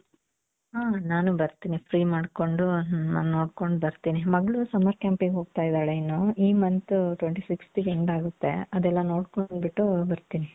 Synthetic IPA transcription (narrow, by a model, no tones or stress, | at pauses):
ɦaːnaːnubɐɾt̪iːnipʰɾiːmaːɽko̞ɳɖuna̰ːnuno̞ːɽkoɳɖubɐɾt̪iːnimɐɡɭusɐmɐɾkjaːmpiŋɡeɦo̞ːɡ̚t̪aːjid̪aːɭeinːuiːmɐnt̪uʈʋeɳʈisiksʈikeɳɖaːɡut̪ːe̞̰ɐd̪ɛlːɐno̞ːɽkoɳɖbiʈːubɐɾt̪iːni